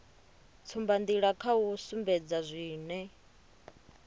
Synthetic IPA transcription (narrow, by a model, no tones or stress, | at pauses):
t͡sʰumband̪iɺakʰausumbɛd͡zazʷiːnɛ